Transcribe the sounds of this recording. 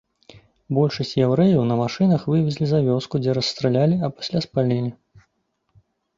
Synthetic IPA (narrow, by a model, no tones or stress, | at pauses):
bɔlʲʂɐsʲt͡sʲjawɾɛjɐwnɐmaʂɨnɐxvɨvʲɛzʲlʲizavʲɔskud͡zʲɛɾɐsst̪ɾɛlʲalʲiɐpḁsʲlʲaspalʲɛlʲi